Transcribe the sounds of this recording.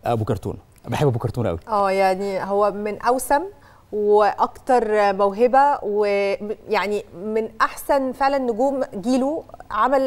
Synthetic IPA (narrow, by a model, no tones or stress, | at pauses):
ʔæ̰bokɑɾˤt̪ˤṵːn | beħebæbokɑɾt̪ˤuːnʔæ̰wiʔæːjaʕniɦowːæmenʔæwsæm | weʔɑkt̪ɑɾˤmæwɦebæwejaʕnimenʔaħsænfeʕlænːoɡuːmɡiːluʕamæl